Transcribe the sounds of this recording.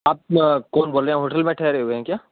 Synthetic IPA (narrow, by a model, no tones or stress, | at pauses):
aːp̚kɔːnboːlẽɦoːʈəlmẽʈʰɛːɾeɦueɦɛ̃kjaː